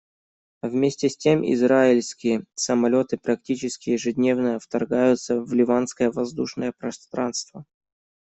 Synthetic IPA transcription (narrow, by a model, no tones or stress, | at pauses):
vmʲesʲtʲɪsʲtʲemʔɪ̰zɾaɪlʲskʲɪjəsəmɐlʲo̞t̪ɨpɾɐktʲit͡ɕɪskʲɪjɪʐɨdʲnʲe̞vnəjəft̪ɐrɡajʊt̪səvlʲɪvanskəjəvɐzd̪uʂnəjəpɾɐst̪ɾanst̪və